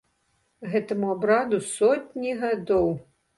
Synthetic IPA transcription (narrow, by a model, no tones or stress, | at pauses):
ɣɛt̪ɐmuabɾad̪usɔt̪ʲnʲiɣad̪ɔw